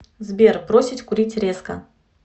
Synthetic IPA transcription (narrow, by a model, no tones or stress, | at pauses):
zbʲerpɾosʲɪtʲkʊɾʲitʲɾʲe̞skə̰